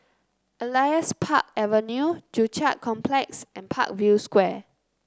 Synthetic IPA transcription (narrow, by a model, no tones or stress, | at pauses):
ʔəlajəspʰa̰k̚ɛvənjud͡ʒut͡ʃaʔ̚kʰɔ̃mpʰlɛksɛ̃npʰa̰k̚vjuskwɛ